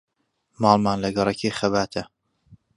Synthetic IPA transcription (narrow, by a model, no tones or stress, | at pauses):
mɑːlˠmaːnlɐɡɐɾˤɐkʰeːxɐbaːt̪ʰɐ